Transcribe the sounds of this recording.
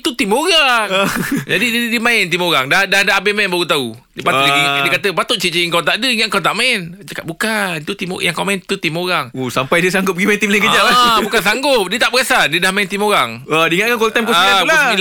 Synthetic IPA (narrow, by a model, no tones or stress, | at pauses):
t̪ut̪imoɣaŋd͡ʒadiddimãɛnt̪imoɾaŋdadadaʔabemaɛnbaɣut̪au | dəpat̪iiəkat̪əpat̪ʊt̪ʔ̚t͡ʃit͡ʃiiŋkawt̪aʔdəiŋaʔ̚kawt̪aʔmãɪnt͡ʃəkat̪̚bukant̪ut̪im̰jaŋkawmaɛnt̪ut̪imoɾaŋusampajdiəsaŋɡʊp̚əɡimaɪnt̪imlainkəd͡ʒaʔlabukans̬aŋɡʊp̚diət̪aʔbəɣasadiədahmãɛnt̪imoɾaŋədiiŋaʔ̪̚kankɔlt̪ajmkɔaalai